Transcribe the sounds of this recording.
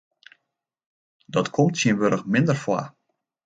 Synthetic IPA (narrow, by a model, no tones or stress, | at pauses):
dɔtkʰɔmtsiənʋøɾəxmɪndərfwa̰